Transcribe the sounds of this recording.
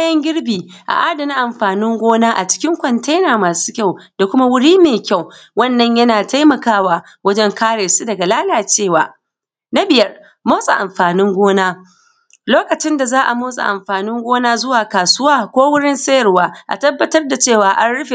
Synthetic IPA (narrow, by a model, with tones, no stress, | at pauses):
jɐ˦ŋɡʲɪ˦ɽbiː˨ʔa̰˨ʔaː˦dɐ˨na˦ʔa˨mɸaː˨nɪ˦ŋɡʷoː˦naː˦ʔa̰˨t͡ʃɪ̥˦kʲɪ˦ŋkʷɔ˨nta˦jnaː˨maː˨su̥ː˦kʲa˦˨wd̥a˨kʷʊ˦ma˦wʊ˦ɽiː˦meː˨kʲa˦˨wwɐ˦˨nːɐ˨ɲjɐ˦naː˨ta˦jmɐ˨kaː˦waː˨ | wɐ˦d͡ʒɛ˦ŋkaː˦ɽeː˨su˦dɐ˨ɡa˨laː˦laː˨t͡ʃeː˦˨waː˨ | na˦bɪ˨jɐ˦r | moː˦sʼa̰˨ʔa˨mɸaː˨nɪ˦ŋɡʷoː˦naː˦ | loː˦kɐ˨t͡ʃɪ˦nda˨zaː˦ʔa̰˨moː˦sʼa̰˨ʔa˨mɸaː˨nɪ˦ŋɡʷoː˦naː˦zʊ˦waː˨kaː˨sʊ˦waː˦kʷoː˦wʊ˦ɽɪ˦nsɐ˦jɐ˨rwaː˦ʔa̰˨tɐ˦bːɐ˦tɐ˦rda˨t͡ʃeː˦˨waː˨ʔa˦nɽʊ˦ɸe˨